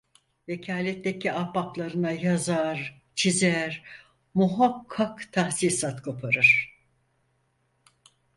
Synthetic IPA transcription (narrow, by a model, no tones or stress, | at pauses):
vecʰaːlʲɛt̪ːecʰiapaplˠaɾɯnajazaɾ | t͡ʃʰizæɾ | muɦakʰːakt̪ʰahsiːsat̪kʰo̞pʰaɾɯɾ̥